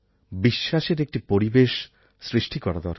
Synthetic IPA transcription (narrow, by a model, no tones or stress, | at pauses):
biʃːaʃeɾek̚ʈipoɾibeʃ | sɾiʃʈikɔɾad̪ɔɾ